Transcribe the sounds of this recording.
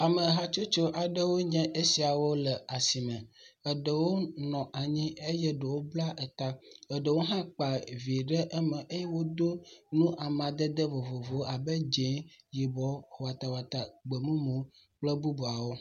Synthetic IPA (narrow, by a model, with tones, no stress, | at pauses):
a˨mə˨ɦa˨t͡ʃo˦t͡ʃo˦ʔa˨ɖə˦wo˦ɲɛ̃˦ʔe˦si˨a˨wo˦lə˨a˨si˨mɛ̃˨ə˨ɖə˨wo˦nɔ̃˨ʔa˨ɲĩ˦e˦jɛ˦ɖə˨wo˦bla˦ʔɛ˨t̪a˦ə˨ɖə˨wo˦ɦã˦k͡pa˨vi˨ɖɛ˦ʔɛ˦mɛ̃˨ʔe˦jɛ˦wo˦d̪o˦nũ˦ʔa˨mã˨d̪ə˦d̪ə˦vo˨vo˨vo˨˦a˨bə˦d͡ʒe˨˦ji˨bɔ˨˦ho˨wa˨t̪a˨wa˨t̪a˨ɡ͡bə˨mũ˦mũ˨˦ | k͡plə˦bu˦bu˨a˨wo˦